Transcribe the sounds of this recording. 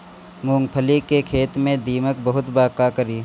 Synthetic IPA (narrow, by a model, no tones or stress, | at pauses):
mũːŋɡpʰəlikekʰeːt̪mẽd̪iːmək̚bɐɦʊt̪baːkakəɾiː